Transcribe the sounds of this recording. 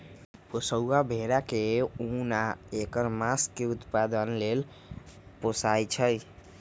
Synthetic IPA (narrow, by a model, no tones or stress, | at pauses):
posəwabʱeɾakeunaekəɾmaskːeut̪pad̪ənlel | posajt͡ʃʰəj